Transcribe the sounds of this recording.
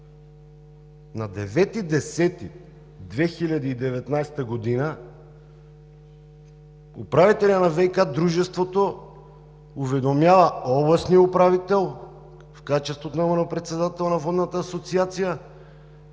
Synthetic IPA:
nad̪ɛvɛt̪id̪ɛsɛt̪i | d̪vɛxilʲad̪iːd̪ɛvɛt̪najst̪əɡod̪ina | ṵpɾavit̪ɛlʲanavɛjkad̪ɾuʒɛst̪vot̪o | uvɛd̪omjavɐɔblˠɐsniupɾavit̪ɛlˠ | fkat͡ʃɛst̪vot̪onamɔnopɾɛt̪sɛd̪at̪ɛlˠnavɔd̪nat̪aːsot̪siat̪sija

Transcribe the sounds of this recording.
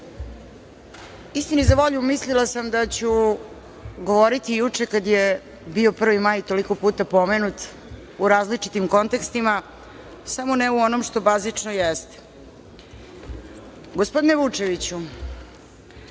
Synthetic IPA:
ist̪inizaʋo̞ʎumislilasamd̪at͡ɕu | ɡo̞ʋoɾit̪ijut͡ʂe̞kad̪je | bio̞pr̩ʋimajt̪o̞liko̞puːt̪apo̞menut̪ | uɾaːzlit͡ʂit̪imko̞nt̪e̞kst̪ima | samoneuo̞nomʃt̪o̞bazit͡ʂnojest̪e̥ | ɡospo̞d̪ineʋut͡ʂe̞ʋit͡ɕu

